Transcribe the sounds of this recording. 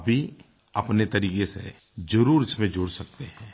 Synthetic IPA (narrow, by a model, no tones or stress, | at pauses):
bʱi | ɐpnet̪ɐɾiːkesḛ | d͡ʒɐɾuːɾɪsmẽd͡ʒʊɽsɐk̚t̪eɦɛ̃ː